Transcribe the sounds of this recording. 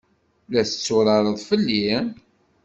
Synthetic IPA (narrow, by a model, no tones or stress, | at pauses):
læθət͡sːʊɾˤɑɾˤəðˤfəlːin